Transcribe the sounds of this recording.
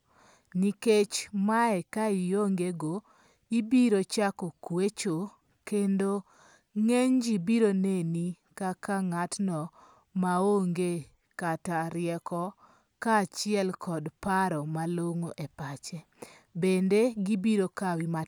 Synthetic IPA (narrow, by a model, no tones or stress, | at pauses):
niket͡ʃmaɛkaijoŋɡeɡo | ibiɾot͡ʃakɔkwet͡ʃo | kendo | ŋeɲd͡ʒibiɾoneni | kakaŋatnɔ | maoŋɡe | kataɾɪɛkɔ | kat͡ʃɪɛlkʰɔdpaɾɔmaloŋoʔepat͡ʃɛ | bendeɡibiɾokawima